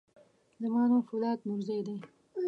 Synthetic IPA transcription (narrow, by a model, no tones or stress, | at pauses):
d̪əmɑnofʊlɑːt̪nʊɾzajd̪e